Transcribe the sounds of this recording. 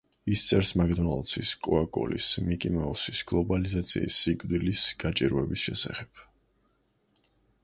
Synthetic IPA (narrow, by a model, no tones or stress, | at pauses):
ist̪sʼɛɾsmaɡd̪ɔnalˠt̪sʰiskʼɔakʼɔ̰lḭsmikʼimɛɔsisɡ̥lˠɔbalizat̪sʰḭːsːikʼvd̪ilisɡ̥at͡ʃʼiɾvɛbisʃɛsa̰χɛb̥